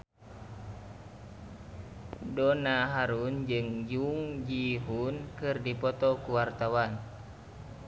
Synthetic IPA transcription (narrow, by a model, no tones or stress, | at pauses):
dɔnaɦaɾund͡ʒɨŋd͡ʒuŋd͡ʒiɦunkɨrdipɔt̪ɔkuwart̪awan